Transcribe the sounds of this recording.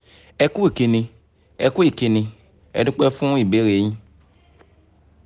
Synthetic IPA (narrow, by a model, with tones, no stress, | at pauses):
ɛ˧ku˦i˨ki˧nĩ˧ | ɛ˨ku˦i˨ki˧nĩ˧ | ɛ̰˨du˦k͡pɛ˦fũ˦i˨be˨˦ɾe˨˦ɲĩ˦